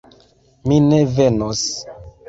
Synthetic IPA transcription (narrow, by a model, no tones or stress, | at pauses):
minevenos